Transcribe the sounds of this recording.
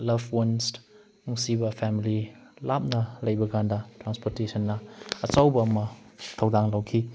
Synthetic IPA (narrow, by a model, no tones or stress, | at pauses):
lɐbwɔns | nuŋsibɐpʰɛmililap̚nɐlɐjbɐɡʰandɐtɾanspɔɾtesʰɐnːɐːt͡ʃawbɐːmɐtʰɐwdaŋlɐwkʰi